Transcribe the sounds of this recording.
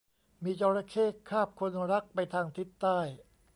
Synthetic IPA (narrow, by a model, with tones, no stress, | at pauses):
miː˧t͡ɕɔː˧ɾa˧kʰeː˥˩kʰːaː˥˩p̚kʰo˧nɾa˦˥k̚pa˧jt̪ʰaː˧ŋt̪ʰi˦˥t̪ːaː˥˩j